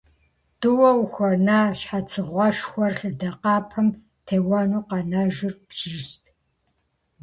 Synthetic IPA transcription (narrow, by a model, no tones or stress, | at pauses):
tʼɨwɐwxʷɐnaːɕħat͡sʰɨʁʷɔʃxʷɔrχʲɪdɐqɑːpʰɐm | tʰeːwɑnuːqɑnɐʒɪrpʒɪɕtʰ